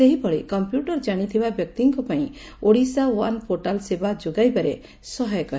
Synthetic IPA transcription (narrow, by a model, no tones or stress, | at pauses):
eɦibɔɭekɔmpjuʈɔɾd͡ʒaɽ̃it̪ʰibabjɔk̚t̪iŋkɔpaj̃ | oɽisawa̰npʰɔʈalsɛbad͡ʒuɡajbaɾɛ | sɔɦɔjkɔ